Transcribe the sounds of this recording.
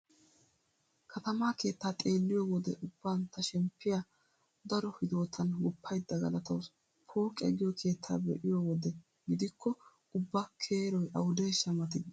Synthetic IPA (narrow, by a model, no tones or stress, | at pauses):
kʰɐt̪ɐmaːke̞ːt̪ːaːt̪ʼe̞ːlːɪjɔwɔd̪ɛ̰ʔʊbːaːnt̪ɐʃɛmpːɪjɐ | d̪ɐɾɔhɪd̪o̞ːt̪ʰɐnɡʊpʰːɐjd̪ːɐɡɐlɐt̪ɐws | pʰo̞ːkʼɛ̰ɡɪjɔkʰe̞ːt̪ʰːa̰ːbɛʔɪjɔwɔd̪ɛ | ɡɪd̪ɪkʰːɔ | ʊbːaːkʰeːɾɔjʔɐ̰wʊd̪ɛjʃɐmɐt̪ɪd̪